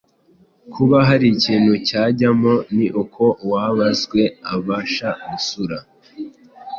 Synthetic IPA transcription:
kʰuβaɦaɾiciːnhucaːɟamo̞niʔukʰo̞waːβazɡwe̞aβaːʃaɡusuɾa

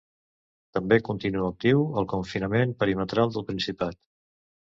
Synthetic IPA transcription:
t̪əmbekunt̪inuək̚t̪iwəlˠkuɱfinəmempəɾimət̪ɾalˠd̪əlˠpɾinsipat̪

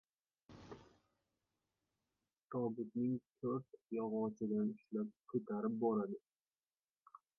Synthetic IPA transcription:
t̪ʰɒbɪt̪nɪŋt̪ʰɵɾt̪jɒʁɒt͡ʃʰɪd̪anʊʃlap̚kʰɵt̪ʰaɾɪp̚bɒɾad̪ɪ

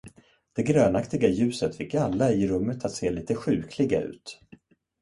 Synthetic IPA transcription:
d̪̥ɛɡɾøːnakt̪ɪɡajʉ̟ːsət̪fɪkːalːaɪɾɵmːət̪ʰat̪seːliːt̪əɧʉ̟ːkʰlɪɡa̰ʉ̟̰ːt̪

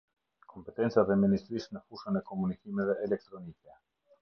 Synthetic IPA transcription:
kʰompɛt̪ɛnt͡s̪at̪ɛminist̪ɾismɛfuʃanɛkomunikimɛvɛʔːlɛk̚t̪ɾɔnikɛ

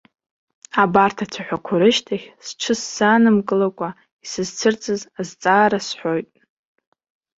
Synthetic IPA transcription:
abartʰat͡sʰaħʷᶣakʷʰaɾɨʃtʰaχʲsʈ͡ʂʰɨsːaːnɨmkʼɨlakʷʼa | isɨzt͡sʰɨrt͡sʼɨzazt͡sʼaːɾasħʷo̞jtʼ

